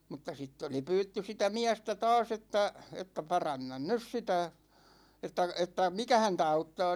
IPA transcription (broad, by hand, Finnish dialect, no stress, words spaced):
mutːɑ sitː oli pyːtːy sitæ miæstæ tɑːs etːæ etːæ pɑrɑnːɑn nys sitæ etːæ etːæ mikæ hæntæ ɑutːɑː